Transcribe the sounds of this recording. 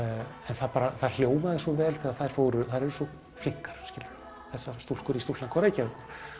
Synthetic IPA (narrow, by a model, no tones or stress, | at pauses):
ɛnθaðpaːɾaθaðl̥joːwmaðɪsɔvɛːlθiaðθaðjɾ̥foːwɾʏθaðɾɛɾsɔ | fliŋ̥kḁɾ̥scɪːlaa | θɛsːast̪ul̥kʏɾist̪uh̪laŋkʰɔɾacɛðʏkʏɾ̥